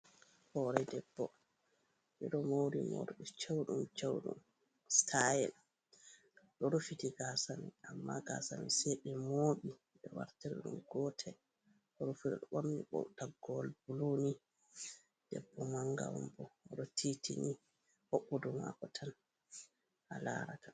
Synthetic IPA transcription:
hɔɾɛdɛbːɔ | miɗɔmowɾimo̰ɾɗit͡ʃewɗumt͡ʃewɗṵm | stʰajɛn | ɗɔɾufitiɡasamiʔamːaɡa̰samisɛɗɛmoːɓi | ɗɔwa̰ɾtɛɾɛɗṵmɡ̥ɔtʰɛ | ɗɔɾufiɗɔɗɔɓomniɓɔ̰wtaɡɔlbuloni | d̥ɛbːɔmaŋɡa̰wɔ̰mbɔɗɔtʰitini | hoɓːuduma̰kɔtʰan | hala̰ːɾatḁn

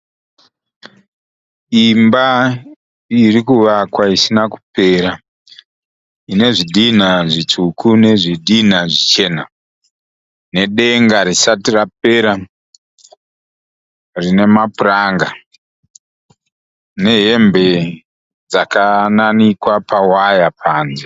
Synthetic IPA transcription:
imba | irikuʋakwaisinaku̥pe̞ːɾa | ine̞ʐiɗinaʐit͡sukune̞ʐiɗin̤aʐit͡ʃe̞ːna | ne̞ɗe̞ŋɡaɾisatirap̚e̞ɾa | rine̞mapuraŋɡa | ne̞ɦe̞mbe̞ | d͡zakananikwapawajapʰaːnze

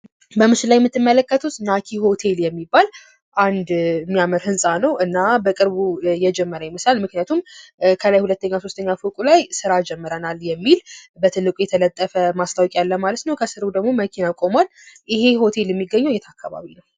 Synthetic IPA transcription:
bəmɨʃɪlajmːɨt̪ːɨmːələkːət̪ʰut̪nakʰiho̞t̪ʰe̞ljɛmːibːal | ʔand̪mːijaməɾhɨnsʼanəwɨnːabəkʼɨɾβujɛd͡ʒɛmːəɾəjɛməslalmɨknjat̪ʰumkʰəlajhulət̪ːəɲːaso̞st̪ʰəɲːafokʼulajsɨɾad͡ʒɛmːɨɾənaljɛmːilbət̪ʰɨlːɨkʼujɛt̪ʰələt̪ʼːəfəmast̪ʰawɔkʼjalːəmalət̪nəwkʰəsɨɾud̪əɡmo̞məkʰinakʼo̞mwal | ʔɪhe̞ho̞t̪ʰe̞ljɛmːiɡːəɲːojɛt̪ʰakʰːaβa̰βinəw

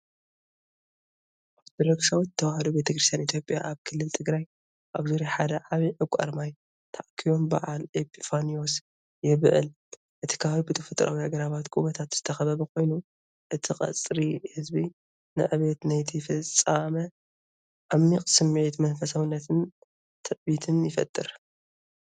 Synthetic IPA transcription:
ad̪ɾɐksawt̪ʰːɐwahɐd̪obet̪ʰɐkɾɨst̪ʰjanit̪jo̞pʼjaʔaβkʰɨlːɨlt̪ʰɨɡɾaj | ʔaβzuɾiħad̪ɐʕaβiʕɨkʷʼa̰ɾmaj | t̪ʰaʔkʰiβo̞mbɐ̰ʕalʔepʰʼifanio̞s | jɪβʕɨ̰l | ʔɨt̪ʰi̥kʰaawbɨt̪ʰɐfɨt̪ʼɾʔa̰wihaɡɐɾaβat̪kʼuβɐt̪ʰat̪z̥ɨt̪ʰɐxɐβɐβɐko̞jnu | ʔɨt̪ʰikʼɐ̰t͡sʼɾihɨzbi | nɨ̰ʕɨβet̪najt̪ʰifɨt͡sʼːamɐ | ʔamːikʼsɨmet̪mɐnfɐsawnːɐt̪ʰɨn | t̪ʰɨʔbit̪ʰɨnjɪfɐ̰t̪ʼːɨɾ

